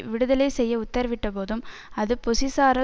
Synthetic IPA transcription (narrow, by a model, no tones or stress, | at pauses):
ʋɪɽɯðɐlɐɪsɛjːɐʊt̪ːɐɾʋɪʈːɐpoːðɯm | ɐðɯpʊsɪsaːɾɐ